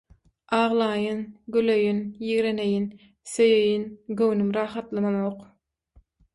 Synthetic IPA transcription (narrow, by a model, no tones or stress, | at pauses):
ʔɑːʁlˠɑːjɯnɡyløjynjiɣɾene̞jin | søjejinɡøwnymɾɑːχɑt̪lˠɯmɑnoːq